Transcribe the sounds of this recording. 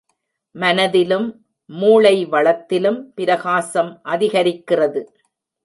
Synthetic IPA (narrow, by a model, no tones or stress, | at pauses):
mɐnɐðɪlɯmː | uːɭɐɪʋɐɭɐt̪ːɪlɯmpɪɾɐɣaːsɐmʔɐðɪɣɐɾɪkːɪrɐðɯ